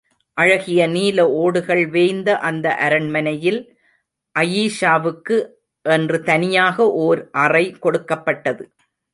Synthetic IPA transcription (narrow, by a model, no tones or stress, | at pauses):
ʔɐɻɐɣɪjɐniːlɐoːɽɯɣɐɭʋeːjnd̪ɐʔɐnd̪ɐʔɐɾɐɳmɐnɐjɪl | ʔɐjiːʂaːʋɯkːɯ | ʔɛndrɯt̪ɐnɪjaːɣɐʔoːɾʔɐrɐɪkɔɽɯkːɐpːɐʈːɐðɯ